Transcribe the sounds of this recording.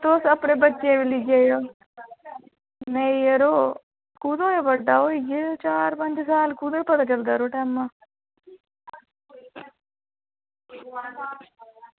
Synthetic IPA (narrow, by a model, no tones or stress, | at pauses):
t̪oːsɐpːuɽebɐt͡ʃːeːʋiliɡejo | nejɐɾo | kuːd̪ɐepɐɖːaːwoiɡet͡ʃaːɾɐmɐnt͡ʃisaːlukuːd̪ɐpɐd̪ɐk̬ɛld̪aɾuʈaːmːa